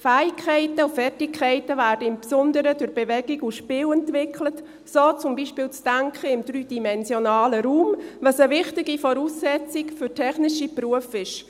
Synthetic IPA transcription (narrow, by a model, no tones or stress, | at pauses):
fæːɪkʰːɛɪtəufɛrtɪkʰːɛɪtəvæːɾdəɪmpsɔndəɾədʊɾbɛvɛɡiɡuʃpɪːwɛntʋɪkʰlət | soːt͡sʊmbiːʃpɪːlt͡sd̥æŋkʰχəɪmd̥ɾyːd̥imɛnzjɔnɑːləɾuːmvɑsəvɪχtɪɡifɔɾuːsːɛt͡sɪkfʏɾtʰɛχnɪʃipɾuəfɪʃ